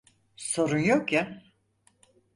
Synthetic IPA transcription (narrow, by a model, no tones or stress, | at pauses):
so̞ɾunjokja